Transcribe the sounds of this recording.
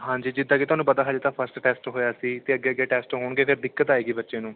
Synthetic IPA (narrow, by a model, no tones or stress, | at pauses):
ɦãːɲd͡ʒiːd͡ʒɪd̪ːãːket̪ʊaːnũːpət̪aːɦaːd͡ʒt̪aːpʰəɾsʈʈɛːsʈɦoːjaːsiːt̪eːəɡːeːəɡeːʈɛːsʈɦoːɳɡeːpʰɪɾd̪ɪkːət̪aːeːɡiːbətːʃẽːnũː